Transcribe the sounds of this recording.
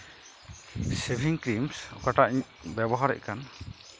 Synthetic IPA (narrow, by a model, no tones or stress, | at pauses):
sebʱiŋkɾimsɔ̰kaʈaʔi | bɛbɔɦaɾɛ̰ʔkan